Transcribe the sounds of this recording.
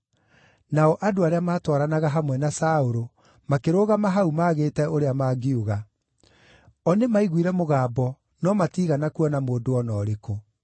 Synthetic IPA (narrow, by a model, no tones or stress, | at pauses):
naɔʔadoaɾeamaːtwɔɾanaɣaɦamwɛnasaoɾo | makeɾoːɣamaɦaumaːɣeːtɛoɾeamaːɡiuɣa | ɔnemaiɣwiɾɛmoɣaːbɔ | nɔmatiːɣanakuɔnamoːdoɔnɔːɾeko